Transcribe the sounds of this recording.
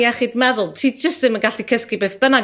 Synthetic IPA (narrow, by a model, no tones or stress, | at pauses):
jaχiːdmɛðʊlˠtʰiːd̚d͡ʒəstðɪmənɡaɬikʰəskibeːθb̥əna